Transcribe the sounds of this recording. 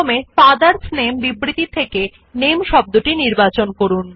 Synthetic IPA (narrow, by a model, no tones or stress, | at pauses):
mepad̪aɾsnembibɾit̪it̪ʰeke | nemʃɔb̚d̪uʈiniɾbat͡ɕonkoɾun